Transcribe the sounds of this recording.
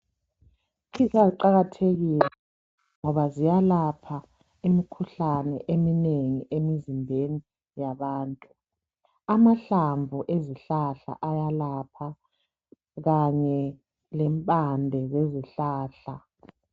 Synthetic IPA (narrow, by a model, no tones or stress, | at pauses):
kʰisaiǃaɣatʰeɣilɛ | ŋɔβazijalapʰa | imikʰuɬanɛʔemineŋiʔemizimbʱeni | jaβaːntʼu | amaɬaɱvʱuʔeziɬaɬa̰ʔajalapʰa | ɣaɲɛ | lɛmpʼandʱɛɣeziɬaːɬa